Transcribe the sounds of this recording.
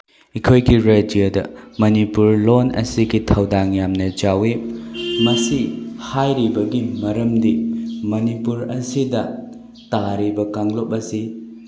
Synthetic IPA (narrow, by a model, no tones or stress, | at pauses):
ikʰojɡiɾedijodɐ̰mɐnipuɾlonɐ̰siɡitʰɐwdaŋjamnɐd͡ʒawimɐsihajɾibɐɡimɐɾɐmdimɐnipuɾɐsidɐ | taɾibɐkaŋlop̚ɐsi